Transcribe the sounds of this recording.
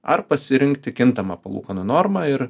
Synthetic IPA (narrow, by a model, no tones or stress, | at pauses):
ɐ̰ɾpɐsʲɪɾʲɪŋʲkt̪ʲɪkʲɪnt̪ɐmɑːpɐlˠṵːkɐnʊnɔɾmɑːɪɾ